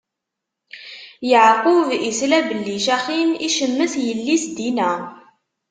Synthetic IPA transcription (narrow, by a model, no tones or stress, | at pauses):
jəʕqʊvislæbəlːiʃæχiniʃəmːəθjəlːisd̪inæ